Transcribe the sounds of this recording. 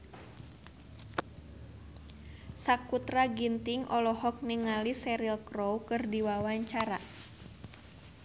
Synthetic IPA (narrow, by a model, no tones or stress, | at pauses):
sakut̪ɾaɡint̪iŋʔɔlɔhɔk̚niŋalisɛɾilkrowkɨrdiwawaɲt͡ʃaɾa